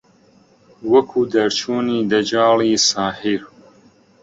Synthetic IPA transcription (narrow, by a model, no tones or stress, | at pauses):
wɐkʰuːd̪ɐɾt͡ʃʰuːniːd̪ɐd͡ʒɑːliːsaːhiɾ